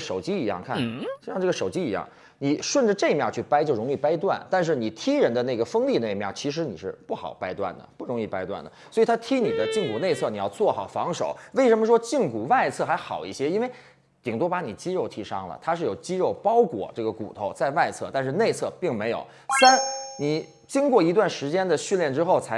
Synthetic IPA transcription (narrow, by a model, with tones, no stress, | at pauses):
ʂo˨˩ʊt͡ɕi˥i˧˥jɑ̰˥˧ŋkʰa˥˩n˩no˥˧ɻɑ˥˧ŋʈ͡ʂɤ˥˩ɡə˩ʂo˨˩ʊt͡ɕi˥i˧˥jɑ̰˥˩ŋ | ni˨˩˦ʂwə˥˩nʈ͡ʂ̩˥˧ʈ͡ʂe˥˩˧mjɑ˥˧t͡ɕʰy˥˩pa˥ɪt͡ɕjo˥˩ʊɻʊ˧˥ŋi˥˩pa˥ɪt̪̬wa˥˩nt̪a˥˧nʂ̬ɻ̩˥˩ni˨˩t̪ʰi˥ɻə˧˥nd̪ə˧ne˥˩ɡə˩fɤ˥ŋli˥˧ne˥˩ɪmjɑ˥˩ʊt͡ɕʰi˧˥ʂ̬ɻ̩˧˥ni˨˩ʂɻ̩˥˧pu˥˩xɑ̰˨˩ʊpa˥ɪt̪wa̰˥˩nd̪ə̰˩pu˥˩ɻʊ˧˥ŋi˥˩pa˥ɪt̪wa̰˥˩nd̪ə˩swɔ˧˥i˨˩t̪ʰa˥t̪ʰi˥ni˨˩d̪ə˦t͡ɕi˥˩ŋku˨˩ne˥˧ɪt͡sʰɤ˥˩ni˨˩jɑ˥˧ʊt͡swɔ˥˩xɑ˨˩ʊfɑ˧˥ŋʂo˨˩˦ʊwe˥˩ɪʂə˧˥nmə˧ʂwɔ˥t͡ɕi˥˩ŋku˨˩wa˥˧ɪt͡sʰɤ˥˩xa˧˥ɪxɑ˨˩ʊḭ˥˩ɕjɛ˥i˥nwe˥˩ɪ | t̪i˨˩ŋt̪̬o˥pa˧˥ni˨˩t͡ɕi˥ɻo˥˩ʊt̪ʰi˥ʂɑ˥ŋlə̰˨t̪ʰa˥ʂɻ̩˥˩jo˨˩ʊt͡ɕi˥ɻo˥˩ʊpɑ˥ʊkwɔ̰˨˩˦ʈ͡ʂɤ˥˩ɡə˩kṵ˨˩t̪ʰo˥˧ʊt͡sa˥˧ɪwa˥˧ɪt͡sʰɤ˥˧t̪a˥˧nʂɻ̩˥˧ne˥˧ɪt͡sʰɤ˥˧pi˥˩ŋme˧˥ɪjo̰˨˩ʊsa˥nni˨˩˦ | t͡ɕi˥ŋkwɔ˥˩i˧˥t̪̬wa˥˩nʂɻ̩˧˥t͡ɕjɛ˥nd̪ə˨ɕy˥˧nljɛ˥˩nʈ͡ʂɻ̩˥xo˥˩ʊt͡sʰa˧˥ɪ